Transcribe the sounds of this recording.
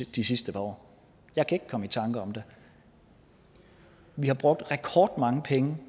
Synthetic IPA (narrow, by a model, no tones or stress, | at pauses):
d̥isisd̥əpʰɑ̈ɒ̰ː | jɑ̈ɪkʰæe̝ɡ̥̚kʰɒ̽məit͡sʰɑ̈ŋɡ̥əɒ̽md̥e̝ | ʋihɑ̈b̥ʁɔ̽ɡ̥̚d̥ʁɛkʰɒːɡ̥̚d̥mɑ̈ŋəpʰeŋə